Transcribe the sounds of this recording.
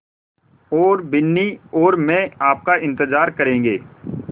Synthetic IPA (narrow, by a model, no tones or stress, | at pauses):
ɔːɾbɪnːiɔːɾmẽːaːp̚kaɪ̃nt̪əzaːɾkəɾẽːŋ̆ɡeː